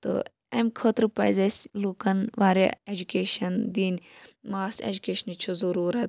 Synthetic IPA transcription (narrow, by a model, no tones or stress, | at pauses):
t̪o̰ | ɐmʲkʰoːt̪ɾupɐ̰jzɐsʲluːkɐnʋaːɾa̰ed͡ʒukʲeːʃɐnd̪iːnʲmaːsḛd͡ʒukeːʃɐnit͡ʃʰuzɐɾuːɾɐt̪̚